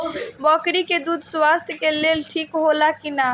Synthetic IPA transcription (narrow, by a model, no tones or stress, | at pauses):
bɔkɾiked̪uːd̪ʱswast̪ʰjkelelʈʰiːkɦolakina